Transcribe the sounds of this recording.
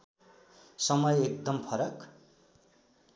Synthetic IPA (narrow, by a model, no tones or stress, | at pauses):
sʌmʌjek̚d̪ʌmpʰʌɾʌk